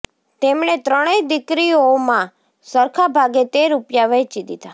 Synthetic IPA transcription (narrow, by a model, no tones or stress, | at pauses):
t̪emɳet̪ɾəɽ̃ed̪ɪkɾiomã | səɾkʰabʱaɡet̪eɾupjaʋɛt͡ʃid̪it̪a